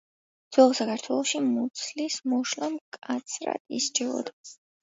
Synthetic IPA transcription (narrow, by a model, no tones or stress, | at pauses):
d̪z̥wɛlˠɔsakʰaɾt̪ʰwɛlˠɔʃimut̪sʰlismɔʃlamkʼat̪sʰɾa̰ist͡ʃʰɛvɔ̰d̪a